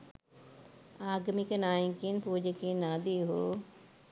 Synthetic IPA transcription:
aːɡmikənaːĩŋkinpuːd͡ʒəkinãːd̪iːɦoː

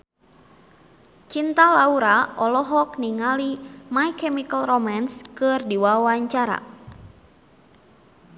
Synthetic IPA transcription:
t͡ʃint̪alauɾaʔɔlɔɦɔk̚niŋalimajkɛmikəlromanskɨrdiwawaɲt͡ʃaɾa̰

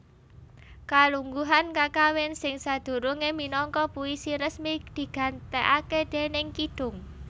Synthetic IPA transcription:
kaluŋɡuɦankakawɪnsɪŋsad̪̥ṳɾuŋeminɔŋkɔpuisiɾəsmid̪̥i̤ɡ̥a̤nt̪eʔaked̪̥e̤nɪŋkiɖ̥ʊ̤ŋ

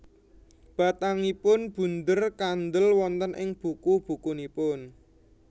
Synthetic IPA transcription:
b̥a̤t̪aŋipʊnb̥ṳnd̪ərkand̪əlwɔnt̪ənʔɪŋb̥ṳkub̥ukunipʊn

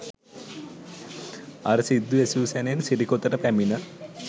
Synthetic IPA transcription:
ɐɾɐsid̪ːuesuːsenensiɾikot̪ːɐɾɐpeminɐ

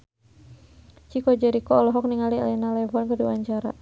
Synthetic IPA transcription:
t͡ʃikɔd͡ʒaɾikɔɔlɔɦɔk̚niŋaliɛ̰lɛnalɛvɔnkədiwaɲt͡ʃaɾa̰

